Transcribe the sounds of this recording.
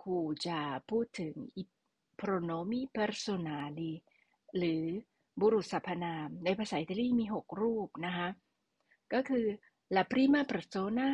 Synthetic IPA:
kʰuː˧˩t͡ɕa˨˩pʰuː˥˩t̪ʰːɯ˩˦ŋʔi˧˩ | pʰɾoː˧noː˧˦mi˥pɛ˧ɾso˧naː˧˦li˧ | ɾɯː˩˦ | bɔ˧ɾu˨˩t̪̚sa˨˩pʰːa˧naː˧mnaː˧jpʰaː˧saː˩˦ʔi˧˩t̪a˧liː˥˩miː˧ɦo˨˩k̚ɾuː˥˩p̚na˦˥kʰa˦˥ | kɔː˥˩kʰɯː˧ | la˨˩pʰɾiː˦˥˨maː˥˨pɾa˧˩soː˧naː˥˩

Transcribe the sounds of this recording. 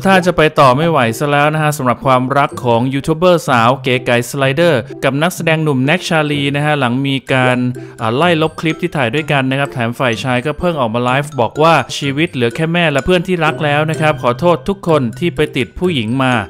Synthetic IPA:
t̪ʰaː˥˩t͡ɕa˨˩pa˧jt̪ɔː˨˩ma˥˩jwa˩˦jsa˧˥lɛː˦˥wna˥kʰa˦˥ʔsa˩˦mɾa˨˩p̚kʰwaː˧mɾa˦˥kʰːɔː˩˦ŋjuː˧t̪ʰuː˦˥bɤː˥˩saː˩˦wkeː˨˧ka˨˩jsla˧jdɤː˥˩ka˨˩p̚na˦˥k̚sa˧dɛː˧ŋnu˨˩mnɛ˦˥k̚t͡ɕʰaː˧liː˧na˦˥kʰa˦˥la˩˦ŋmiː˧kaː˧nʔaː˨˩la˥˩jlo˦˥p̚kʰli˦˥p̚t̪ʰiː˥˩t̪ʰaː˨˩jdu˥˩jka˧nːa˦˥kʰɾa˦˥t̪ʰɛː˩˦mfaː˨˩jt͡ɕʰaː˧jkɔː˥˩pʰɤ˥˩ŋʔɔː˨˩maː˧laː˦˥jfbɔː˨˩k̚waː˥˩t͡ɕʰiː˧wi˦˥t̪̚lɯ˩˦əkʰɛː˥˩mɛː˥˩lɛ˦˥pʰɯ˥˩ənt̪ʰiː˥˩ɾa˦˥k̚lɛː˦˥wna˦˥kʰɾa˦˥p̚kʰɔː˩˦t̪ʰoː˥˩t̪ʰːu˦˥kʰːo˧nt̪ʰiː˥˩pa˧jt̪i˨˩t̪̚pʰuː˥˩ji˩˦ŋmaː˧

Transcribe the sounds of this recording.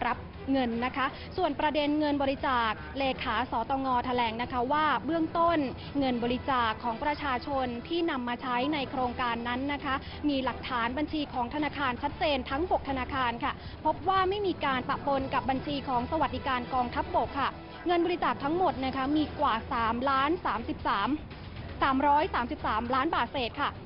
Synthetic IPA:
ɾa˦˥p̚ | ŋɤ˧nːa˦˥kʰa˦˥ʔ | su˨˩ənpɾa˧de˧nŋɤ˧nbɔː˧ɾi˦˥t͡ɕaː˨˩k̚leː˧kʰaː˩˦sɔː˩˦t̪ɔː˧ŋɔː˧t̪ʰa˧lɛː˩˦ŋna˦˥kʰa˦˥waː˥˩bɯ˥˩əŋt̪o˥˩n | ŋɤ˧nbɔː˧ɾi˦˥t͡ɕaː˨˩kʰːɔː˩˦ŋpɾa˧t͡ɕʰaː˧t͡ɕʰo˧nt̪ʰiː˥˩na˧mːaː˧t͡ɕʰa˦˥jna˧jkʰɾoː˧ŋkaː˧nːa˦˥nːa˦˥kʰa˦˥ | miː˧la˨˩k̚t̪ʰaː˩˦nba˧nt͡ɕʰiː˧kʰɔː˩˦ŋt̪ʰa˧naː˧kʰaː˧nt͡ɕʰa˦˥t̪̚t͡ɕeː˧nt̪ʰa˦˥ŋbo˨˩k̚t̪ʰa˧naː˧kʰaː˧nkʰa˥˩ | pʰo˦˥p̚waː˥˩ma˥˩jmiː˧kaː˧npa˨˩ʔpo˧nka˨˩p̚ba˧nt͡ɕʰiː˧kʰɔː˩˦ŋsa˧wa˨˩di˨˩kaː˧nkɔː˧ŋt̪ʰa˦˥p̚bo˨˩kʰːa˥˩ | ŋɤ˧nbɔː˧ɾi˦˥t͡ɕaː˨˩k̚t̪ʰa˦˥ŋmo˨˩t̪̚na˦˥kʰa˦˥miː˧kwaː˨˩saː˩˦mlaː˦˥nsaː˩˦msi˨˩p̚ːm | saː˩˦mɾɔː˦˥jsaː˩˦msi˨˩p̚saː˩˦mlaː˦˥nbaː˨˩t̪̚seː˨˩t̪̚kʰa˥˩

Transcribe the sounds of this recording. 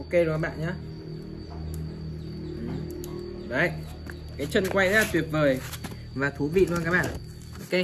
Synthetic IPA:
o˧˦ke˧˨˩kaː˨˦ɓa̰ː˧˨nɲaː˧˦ | ʔɨ˨˩ | ɗə˨˦˨ | kaː˨˦jt͡ɕə˧nkwa˧ja˨˩t̪wi˨˩ət̚vəː˨˩j | vaː˨˩t̪ʰu˨˦vḭ˧˨la˧kaː˦˥k̚ɓa̰˧˨˦ | ke˧

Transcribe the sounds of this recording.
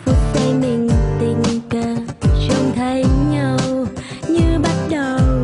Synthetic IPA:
fu˨˦t̚ta˨˧˦jmi˨˩ŋt̪i˨˩ŋkəː˧˩sə˧ŋ͡mt̪ʰə˨˦jɲə˧˩w | ɲɨ˧ɓa˦˥t̚ɗə˨˩w

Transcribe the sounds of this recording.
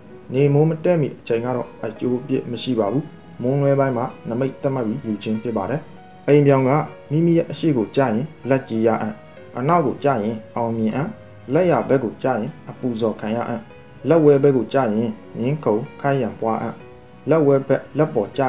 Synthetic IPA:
ne˨mʊ̃˦mətɛ̰˦˨mḭ˦˨ʔət͡ɕʰẽ˨ɪ̃ŋɡa̰˦˨dɔ̰˦˨ʔət͡ɕo˦ʔpjɪ̰˦ʔməʃḭ˦˨ba˨bu˦ | mʊ̃˦lwɛ˦bã˦ɪ̃m̥a̰˦˨nəme˦ɪʔt̪θɛ˦ʔma˦ʔpːji˦ju˨t͡ɕʰɪ̃˦mpʰjɪ˦pːa˨ɾɛ˨ | ʔẽ˨mbjã˨ʊ̃ŋɡa̰˦˨mi˦˨mi˦˨jɛ˦ʔəʃḛ˦˨ɡo˨t͡ɕä̰˦˨jɪ̃˨lɛ˦t͡ɕi˦ja̰˦˨ʔã̰˦˨ | ʔəna˦ʊkːo˨t͡ɕä̰˦˨jɪ̃˨ʔã˨ʊ̃mjɪ̃˨ʔã˦˨ | lɛ˦ʔja˨bɛ˦ʔɡo˨t͡ɕä̰˦˨jɪ̃˨ʔəpu˨zɔ˨kʰã˨jä̰˦˨ʔã̰˦˨ | lɛ˦ʔwɛ˦bɛ˦ʔɡo˨t͡ɕa̰˦˨jɪ̃˨jɪ̃˦ŋkʰõ˨ʊ̃kʰã˦jã˨mpwa˦ʔã̰˦˨ | lɛ˦ʔwɛ˦bɛ˦ʔlɛ˦pːɔ˨t͡ɕa̰˦˨

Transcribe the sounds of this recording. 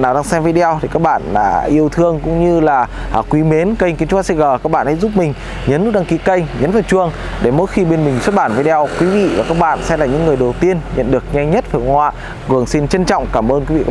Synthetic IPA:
naː˨˩wɗaː˧ŋsɛ˧mvi˧ɗi˧ɔ˧wt̪ʰi˨˩kaː˦˥k̚ɓa̰ː˧˨nɗa̰ː˧˥ʔi˧əwt̪ʰɨ˧əŋkʊ̰˧˥ŋ͡mɲɨ˧laː˨˩ | aː˨˩kwi˨˦me˨˦nkə˧jŋ̟ki˨˦t͡ɕʊ˨˦aː˨˧˦sɛ˧˥ɣəː˨˩kaː˦˥k̚ɓa̰ː˧˨ha˧˥jzu˦˥p̚mï˨˩ŋ̟ | ɲə˨˦nːu˦˥ɗa˧ŋki˨˦kə˧jŋ̟ɲə˨˦nvaː˨˩wt͡ɕu˧əŋ | ɗe˧˩mo̰˧˥jxi˧ɓe˧nmi˨˩ŋ̟swt̚ɓaː˧˩nvi˧ɗi˧ɔ˧wkwi˨˦vḭ˧˨vaː˨˩kaː˦˥k̚ɓa̰ː˧˨nsɛ˧mla̰ː˨˩ɲɨ̰˧˥ŋːɨ˨˩əjɗə˨˩wt̪i˧ənɲə̰˧˨nɗɨ˨˩ək̚ɲɛ˧ŋɲə˦˥t̚faː˨˩kə˧ŋhwa̰ː˧˨ | ɣu˨˩əŋsi˧nt͡ɕə˧nt͡ɕɔ̰˧˨wŋ͡mkaː˧˩mʔəː˧nki˨˦ḭ˧k

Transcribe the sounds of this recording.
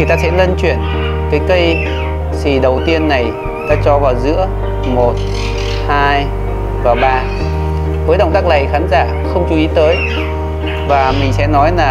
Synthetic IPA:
t̪aː˧sɛ̰˧˥lə˧nt͡ɕwḭ˧˨ən | kaː˨˦jkə˧j | si˨˩ɗə˨˩wt̪i˧ənːa˨˩j | t̪aː˧t͡ɕɔ˧vaː˨˩wzɨ̰˧˥ə | mo˨˩t̚ | haː˧j | vaː˨˩ɓaː˧ | vəː˨˦jɗə˨˩wŋ͡mt̪aː˦˥k̚la˨˩jxaː˨˦nzaː˧˩ | xə˧wŋ͡mt͡ɕu˧˦i˨˦t̪əː˨˦j | vaː˨˩mï˨˩ŋ̟sɛ̰˧˥nɔ˨˦jlaː˨˩

